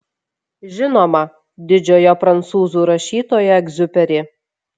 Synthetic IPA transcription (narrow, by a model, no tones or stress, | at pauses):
ʒʲɪnoːmɐ | d̪ʲɪd͡ʒʲoːjopɾɐnt̪suːzuːˑɾɐʃʲiːt̪oːjɛɡzʲʊpʲɛɾʲɪ